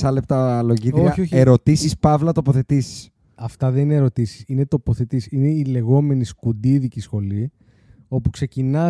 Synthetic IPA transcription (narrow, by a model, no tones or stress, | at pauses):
sɐlep̚t̪ɐlo̞ʝiðɾoiɐioçeɾo̞t̪isispɐvlɐt̪opo̞θe̞t̪isi̥s | ɐft̪ɐðe̞nineeɾot̪isi̥sinet̪o̞po̞θet̪isine̞ile̞ɣo̞me̞niskud̪iðicisxo̞li | o̞pukse̞cinɐ